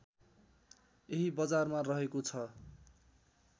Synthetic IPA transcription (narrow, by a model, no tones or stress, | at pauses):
eɦibʌd͡zarmarʌɦekot͡sʰʌ